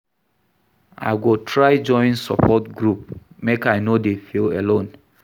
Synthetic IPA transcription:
a̰ɪɡotʰɹaɪd͡ʒɔ̃ɪ̃nsɔ̰pʰɔtɡɹup̚mekaɪnodefilelõn

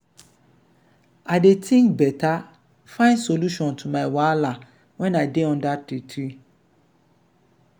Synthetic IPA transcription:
adetʰĩŋkbɛtʰa | fãɪ̃nsoluʃɔ̃ntʰumãɪwaala | wɛ̃naɪdeɔ̃ndatitʰi

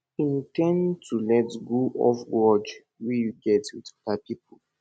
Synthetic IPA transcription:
ĩntɛ̃ntʰulɛtɡoʔɔ̰fɹɔd͡ʒ | wejuɡɛtwitɔpapipo

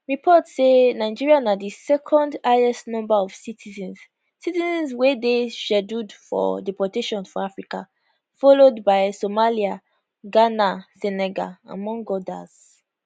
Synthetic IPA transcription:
ɹipʰɔtsenaɪd͡ʒiɹianadisɛkʰɔ̃ndaɛsnɔ̃mbaɔvsitʰizɛ̃ns | sitizɛ̃nzwedeʃɛdudfɔ̰dɛpɔteʃɔ̃nsfɔafɹika | fɔlodbaɪsomalia | ɡanasɛnɛɡa̰a̰mɔ̃ŋɡɔda̰z̥

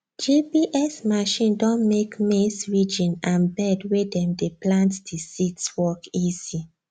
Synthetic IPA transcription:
d͡ʒipiʔɛsmaʃĩndɔ̃nmekmesɹid͡ʒĩnãnbɛdwedɛ̃mdeplãntd̥isitswɔkizi

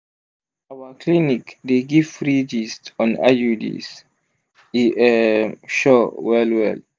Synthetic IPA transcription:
awakʰlinikdeɡifɹid͡ʒistɔ̃na̰judḭs | iʔɛʃɔwɛlwɛ̰l

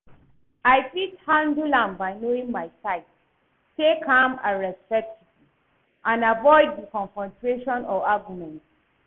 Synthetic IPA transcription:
aɪfithãndulãmbaɪnoĩŋmaɪsaɪt | tekãmã̰ɹɛspɛk̚tʰivi | ʔãnavɔɪd̚ðəkɔ̃nsɔ̃ntʰɹeʃɔ̃nɔaɡjumɛ̃nt

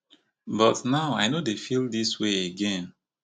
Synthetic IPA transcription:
bʌtnaʊaɪnodefilˠdisweeɡɛ̃n

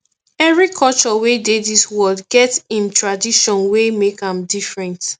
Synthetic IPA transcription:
ɛvɹikʰɔlt͡ʃɔwedeðiswɔldɡɛtsĩmtʰɹadiʃɔ̃nwemekãmdifɹɛ̃nt

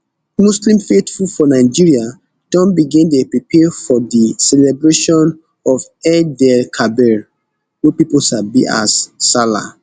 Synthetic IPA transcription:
muslĩmfetfulfɔnaɪd͡ʒiɹia | d̥ɔ̃nbiɡĩndepɹipʰɛfɔdisɛlɛbɹeʃɔ̃n | ɔvɛdɛlkʰabɛɹ | wɛpipolʃabḭʔa̰sːala̰

